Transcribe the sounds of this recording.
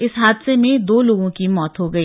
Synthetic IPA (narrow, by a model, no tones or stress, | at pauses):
ɪsɦaːd̪semẽd̪oːloːɡõkimɔːt̪ɦoɡɐiː